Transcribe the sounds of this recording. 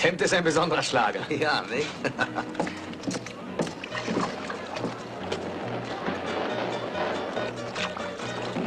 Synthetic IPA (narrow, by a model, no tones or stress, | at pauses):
hɛmp̚tɪstaɪnbəzɔndəʁɐʃlaːɡɐjaːnɪ